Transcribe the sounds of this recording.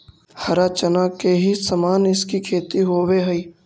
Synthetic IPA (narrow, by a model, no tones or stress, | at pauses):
hɐɾaːt͡ʃənakeɦisəmaːnɪskikʰeːt̪iɦoːweɦɐiː